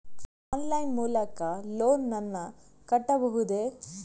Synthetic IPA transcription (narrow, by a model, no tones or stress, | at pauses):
ɔːnlɐjnmuːlɐkɐloːnːɐnːɐ | kɐʈːɐbɐɦud̪e